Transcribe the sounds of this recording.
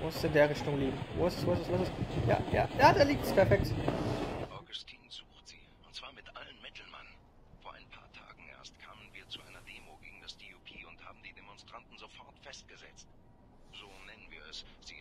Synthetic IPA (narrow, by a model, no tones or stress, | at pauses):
ʔʊnsɪsɪndeːɐʁɪçtʊŋliːbm̩vo̰ːɪsəsvos̬əsvʊsɛsja̰ːja̰ːjaːdaːliːk̚tspʰɛɐfɛk̚t | ʔaɡʊstʰiːnz̥uːxtz̥ḭːʔʊntt͡sv̥aːɐmɪtʔalənmɪtl̩ma̰n | foːɐʔa̰ɪnpʰa̰ːɐtʰa̰ːɡŋ̩ʔḛːɐstkʰaːmənviːɐt͡suʔaɪnɐdeːmoɡeːɡŋ̩d̥asd̥iupʰiːʊntha̰ːbm̩diːdemɔnstʁ̥antn̩zofɔɐtfɛst̚ɡ̥əzɛ̰t͡st | z̥oːnɛnənvḭːɐɛsz̥iː